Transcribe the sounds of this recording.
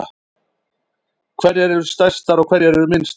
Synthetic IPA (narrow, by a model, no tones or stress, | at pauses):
kʰvɛɾɛɾɛɾʏst̪ajst̪aɾɔɣkʰvɛɾɛɾɛɾʏmɪnst̪